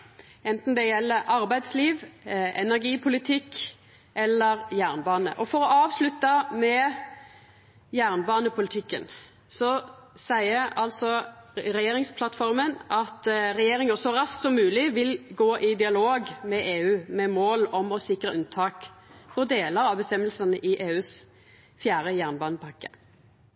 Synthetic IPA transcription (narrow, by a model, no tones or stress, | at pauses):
ɛnt̪n̩d̪ɛjɛlːəʔɑɾbæɪd̪sliːʋɛnæʁɡiːpʰʊlɪt̪ʰɪk | ʔɛlːəɾjæːʁnbɑːnə̰ʔɔfɔɾɔʔɑːʋslʉt̪ːɑmɛ | jæːʁnbɑːnəpʰʊlɪt̪ʰɪkːə̰n | sɔsæɪəʔɑlt̪sɔʁɛjeːɾɪŋspʰlɑt̪fɔʁmənʔɑt̪ʁɛjeːʁɪŋəsɔʁɑsksɔmːʉːlɪʋɪlɡoːʔɪd̪ɪɑloːɡmɛʔeːʉːmɛmoːlɔmɔsɪkʁəʔʉnt̪ʰɑːkfɔʁd̪eːləɾɑʋbəst̪ɛmːəlsɑnəʔɪʔeːʉːs | fjæːʁəjæːʁnbɑːnəpʰɑkːə̥